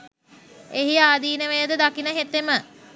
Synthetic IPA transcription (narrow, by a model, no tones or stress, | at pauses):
eɦiaːd̪iːnəʋəjəd̪əd̪akinəɦet̪ːemə